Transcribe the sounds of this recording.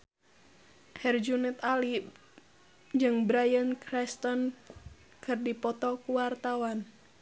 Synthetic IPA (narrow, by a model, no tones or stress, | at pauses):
hɛrd͡ʒunɛt̪ali | d͡ʒɨŋbɾajənkɾɛst̪ɔn | kɨrdipɔt̪ɔkuwart̪awan